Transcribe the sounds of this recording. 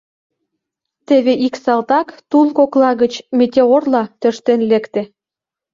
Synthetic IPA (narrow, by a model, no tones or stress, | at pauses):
t̪eβeʔiksɑlt̪ɑkt̪unkoklɑɣə̆t͡ɕmet̪ʲeorlɑt̪øʃt̪enlekt̪ĕ